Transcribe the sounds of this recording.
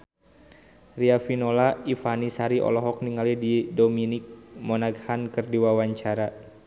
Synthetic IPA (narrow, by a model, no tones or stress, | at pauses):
riafinolaifanisaɾiʔɔ̰lɔɦɔk̚niŋalididominik̚mɔnaɡhankɨrdiwawaɲt͡ʃaɾa